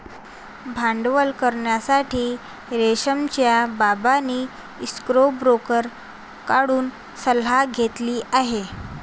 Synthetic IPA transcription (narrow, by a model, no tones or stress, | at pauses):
bʱãɳɖʋəlkəɾɳjasaʈʰiː | ɾeɕəmt͡ɕjababaniː | skɾobɾokəɾ | kaɽuːn | səlɦaɡʱet̪liːʔaɦe